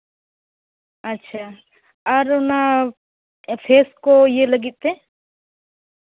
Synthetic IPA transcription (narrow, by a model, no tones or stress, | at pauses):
ətːʃʰaː | əɾʊna | pʰeːskojeləɡit̪̚ːe